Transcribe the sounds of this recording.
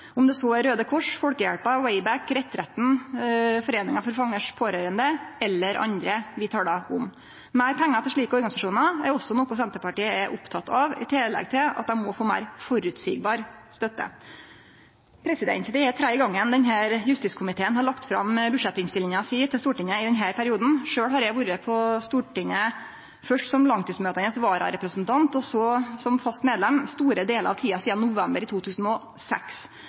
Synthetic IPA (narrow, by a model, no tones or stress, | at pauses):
ʊmd̪ɛsɔɛɾøːd̪əkʰɔʂfɔɽkəjæɽpɑwɛɪbækɾɛt̪ːɾɛt̪n̩fɔɾeːnɪŋɑfɔɾfɑŋːəʂpʰoːɾøːɾənd̪əɛlːəɾʔɑ̰nd̪ɾəʋɪt̪ʰɑːlɑʊm | mæɪɾpʰɛŋːɑt̪ʰɪʂɭiːkəɔɾɡɑnɪsɑʂuːnɑæ̰ɾɔsːɔnɔkʊsɛnt̪əpɑʈiːəɛɾʔʊpt̪ʰɑt̪ɑʋɪ̰t̪ʰɪlɛ̰ɡt̪ʰɪlɑ̰t̪d̪ɛmɔfoːmæ̰ɪɾfɔɾʉːt̪sḭːɡbɑːɾst̪œt̪ːə̰ | pʰɾɛsɪd̪ɛ̰nt̪d̪ɛɛt̪ʰɾæɡɑŋːənd̪ɛnɦæːɾjʉst̪ɪskʰʊmɪt̪ʰeːənhɑɭɑkt̪fɾɑ̰mbʉʂɛt̪ːɪŋst̪ɪlːɪŋɑsiːt̪ʰɪlst̪uːʈɪɲːəɪd̪ɛɲɦæːɾpʰæɾɪuːd̪n̩ʂøːɽhɑɾjæʋuɾəpʰɔst̪uːʈɪŋə | fœʂʈsɔmlɑŋt̪iːsmøːt̪ənəsʋɑːɾɑ̰ɾɛpɾəsnt̪ʰɑnt̪ɔsɔsɔmfɑst̪meːd̪lɛmst̪uːɾəd̪eːləɾɑʋt̪ʰiːɑsiːd̪ɑnːʊʋɛmbəɾɪt̪ʰuːt̪ʰʉːsən̩ɔ | sɛ̰ks